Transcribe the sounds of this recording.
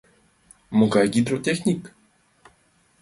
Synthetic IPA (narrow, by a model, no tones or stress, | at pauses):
mokakid̪ɾot̪exnʲik